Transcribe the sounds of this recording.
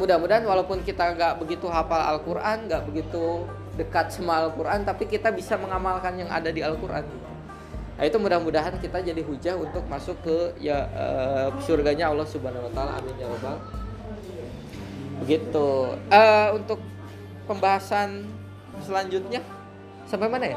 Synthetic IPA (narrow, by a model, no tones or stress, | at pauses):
mudahmudaɦanwalawpʊnkit̪aŋɡaʔbəɡit̪uɦapala̰lkuɾʔanɡaʔbəɡit̪u | dəkat̪̚səmaːlkuɾʔant̪apikit̪abisaməŋamalkanjaŋa̰dadialkuɾʔa̰nit̪u | a̰it̪umudahmudaɦankit̪ad͡ʒadiɦud͡ʒaɦunt̪ʊk̚masʊkːəjaə̰pəsurɡaɲaɔlːɔhsubaanawat̪aala̰ʔa̰mɪd͡ʒawaba | bəɡit̪uəunt̪ʊk̚ | pəmbaɦasan | səlaɲd͡ʒʊt̪̚ɲa | sampajmanaja